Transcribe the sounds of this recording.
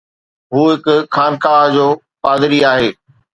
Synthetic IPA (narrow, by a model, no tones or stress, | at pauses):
ɦuːɦɪkʊxaːnkaːɦd͡ʑoː | paːd̪ɪɾiaːɦeː